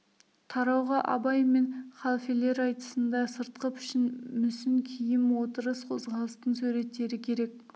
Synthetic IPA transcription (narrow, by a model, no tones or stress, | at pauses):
t̪ʰɑɾɑwʁɑʔɑ̰bɑjme̞nχɑlˠfele̞ɾɑjt̪ə̥sənd̪ɑsəɾt̪qəpʏʃɪnmʏsɪnkʲʰijɪmwo̞t̪əɾəsqʰo̞zʁɑlˠəst̪ənsʉɾe̞t̪ːe̞ɾɪkʲʰe̞ɾe̞k̚